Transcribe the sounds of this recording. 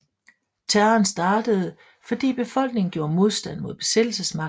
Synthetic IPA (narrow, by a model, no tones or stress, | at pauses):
t͡sʰæɐnsd̥ɑ̈ːd̥əð̞̩ˠ | fɒ̽d̥ḭːb̥e̝fɒ̽l̰ɡ̥ne̝ŋn̩ɡ̥jo̝ːɐmo̝ð̞ˠsd̥æn̰mo̝ð̰ˠb̥e̝sed̥l̩səsmɑ̈